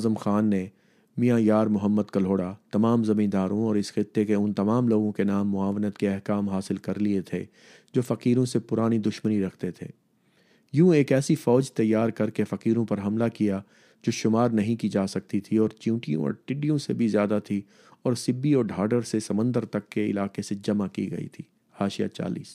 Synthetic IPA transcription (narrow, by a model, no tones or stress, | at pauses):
zəmxaːnːe | mijãjaːɾmʊɦəmːəd̪kɐl̤oːɽat̪ɐmaːmzɐmĩːnd̪aːɾõɔːɾɪsxɪt̪ːekeʊnt̪ɐmaːmloːɡõkenaːmːʊaːʋnət̪keɛɦkaːmɦaːsɪlkɐɾliet̪ʰḛ | d͡ʒoːfɐqiːɾõsepʊɾaːnid̪ʊʃməniɾɐkʰt̪et̪ʰḛː | jũːeːkɛːsifɔːd͡ʒt̪ɐjːaːɾkɐɾkefɐqiːɾõpɐɾɦɐmlakija | d͡ʒoːʃʊmaːɾnɐɦĩkid͡ʒaːsɐk̚t̪it̪ʰiɔːɾt͡ʃjũːʈijõ̰ɔ̰ːɾʈɪɖijõsebʱizjaːd̪at̪ʰi | ɔːɾsɪbːiɔːɾɖʱaːɖəɾsesɐmə̃nd̪əɾt̪ɐkːeɪ̰laːqesed͡ʒɐmakḭɡɐ̰ḭt̪ʰiː | haːʃija̰t͡ʃa̰ːlḭːs